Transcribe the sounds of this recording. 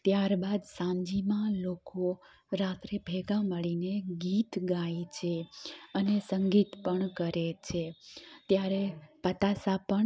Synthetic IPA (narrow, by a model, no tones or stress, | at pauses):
t̪jaɾbad̪sãɲd͡ʒimãloko | ɾat̪ɾebʱɛɡaməɭineɡit̪ɡaet͡ʃʰeənesəŋɡit̪pəɳkəɾet͡ʃʰet̪jaɾepət̪asapəɳ